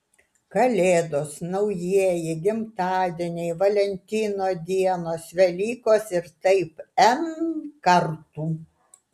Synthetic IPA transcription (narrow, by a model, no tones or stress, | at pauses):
kɐlʲeːd̪oːsnɐʊjiɛjɪɡʲɪmt̪ɑːd̪ʲiɛnʲɛɪʋɐlʲɛnʲt̪ʲiːnoːd̪ʲiɛnoːsʋʲɛlʲiːkoːsɪɾt̪ɐɪpɛmkɐɾt̪uː